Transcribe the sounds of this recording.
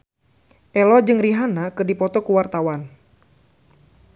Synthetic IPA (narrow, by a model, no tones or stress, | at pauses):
ʔɛlɔd͡ʒɨŋriɦanakɨrdipɔt̪ɔkuwart̪awan